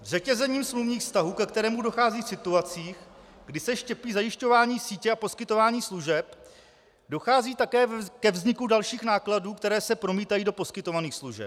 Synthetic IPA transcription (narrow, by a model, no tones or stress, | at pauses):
vzɛcɛzɛɲiːmsmluvɲiːxfst̪aɦuːkɛkt̪ɛɾɛːmudo̞xaːziːfsɪt̪uat͡siːx | ɡdɪsɛʃcɛpiːzajɪʃco̞vaːɲiːsiːcɛʔapo̞skɪt̪o̞vaːɲiːsluʒɛp | do̞xaːziːt̪akɛːkɛvzɲɪkudalʃiːxnaːkladuːkt̪ɛɾɛːsɛpɾo̞miːt̪ajiːdo̞po̞skɪt̪o̞vaniːxsluʒɛ̰p̚